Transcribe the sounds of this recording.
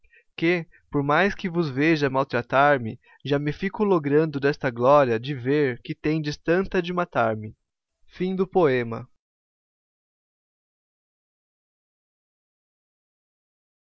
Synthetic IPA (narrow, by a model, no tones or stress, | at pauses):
kɪ | poɾmajskɪvʊzveʒɐmawt̪ɾat̪aɾmɪ | ʒamɪfikʊloɡɾɐ̃nd̪ʊd̪ɛst̪ɐɡlɔɾjɐd͡ʒɪveɾkɪt̪ẽd͡ʒɪst̪ɐ̃nt̪ɐd͡ʒɪmat̪aɾmɪ | fĩd̪ʊpoẽmɐ